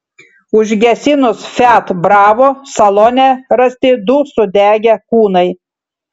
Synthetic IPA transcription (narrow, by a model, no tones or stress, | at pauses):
ʊʒʲɡʲɛsʲɪnʊsfʲæːt̪bɾɑːʋoːsɐlˠoːnʲɛɾɐsʲt̪ʲɪd̪ʊsʊd̪ʲæːɡʲɛkuːnɐɪ